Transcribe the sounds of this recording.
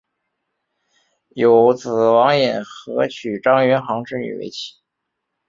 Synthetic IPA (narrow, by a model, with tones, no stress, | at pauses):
jo˨˩ʊt͡sɹ̩˨˩wɑ˧˥ŋjɛ˨˩nxɤ˧˥t͡ɕʰy˨˩ʈ͡ʂɑ˥ŋɥɛ˧˥nxɑ˧˥ŋʈ͡ʂɻ̩˥˧y̰˨˩wḛ˥ɪt͡ɕʰi̥˧˥